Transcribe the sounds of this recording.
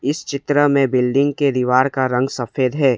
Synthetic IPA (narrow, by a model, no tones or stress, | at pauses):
ɪst͡ʃɪt̪ɾəmẽbɪlɖɪ̃ŋɡked̪iʋaːɾkaɾɐ̃ŋɡsɐfeːd̪ɦɛː